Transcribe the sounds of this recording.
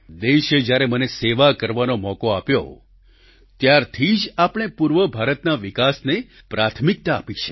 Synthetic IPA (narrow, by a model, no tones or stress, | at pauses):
d̪eʃed͡ʒjaɾeməneseʋakəɾʋanomɔkoapjo̰ | t̪jaɾt̪ʰid͡ʒapəɽ̃epuɾʋəbʱaɾət̪naʋikasne | pɾat̪ʰmik̚t̪aːpit͡ʃʰe̥